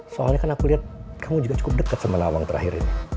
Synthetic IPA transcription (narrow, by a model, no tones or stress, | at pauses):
soa̰lɲakanakuliɦat̪̚kʰamud͡ʒuɡat͡ʃu̥kʊp̚dəkːat̪səməlawaŋt̪əɾʔa̰ɦiɾḭni